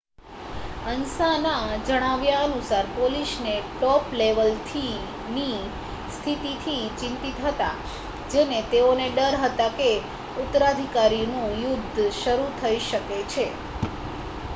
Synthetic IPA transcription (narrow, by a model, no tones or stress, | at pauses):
ənsanad͡ʒəɽ̃aʋjaənusaɾpolisneʈɔpleʋəlt̪ʰi | ni | st̪ʰit̪it̪ʰit͡ʃɪ̃nt̪it̪ɦət̪a̰ | d͡ʒenet̪eoneɖəɾɦət̪ake | ut̪ːəɾad̪ʱikaɾinũjʊd̪ʱːʃəɾut̪ʰəiʃəket͡ʃʰe